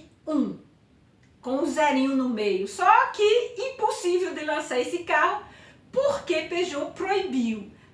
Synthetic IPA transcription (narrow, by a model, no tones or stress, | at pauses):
ũ | kõʊzɛɾĩɲʊnʊmejʊsɔkɪĩposivewd̪ɪlɐ̃saɾesɪkaɦʊ | poɾkepeʒopɾoibiw